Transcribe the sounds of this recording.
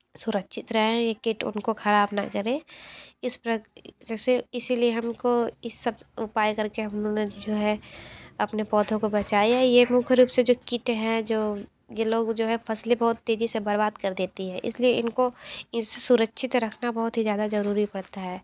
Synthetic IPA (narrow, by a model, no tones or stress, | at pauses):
sʊɾəkʃʰɪt̪ɾɛɦẽjekɪʈʊ̰nkoxʰɐɾaːbna̰kɐɾẽɪspɾɐd͡ʒɛːseɪsilieɦɐmkoɪsɐbʊpaːjkɐɾkeɦɐmnõned͡ʒoːɦɛɐpnepɔːd̪ʱʰõkobɐt͡ʃaːjajemʊ̃kʰɾuːpsed͡ʒoːkɪʈɦɛ̃d͡ʒoː | jeloːɡd͡ʒoːɦɛfʰɐslebɔɦt̪ːeːd͡ʒisebɐɾbaːd̪kɐɾd̪eːt̪iɦɛ̃ʔɪ̰slieɪnkoɪsesʊɾəkʃʰɪt̪ɾɐkʰnabɔɦʊt̪ɦizjaːd̪azɐɾuːɾipɐɽt̪aɦɛː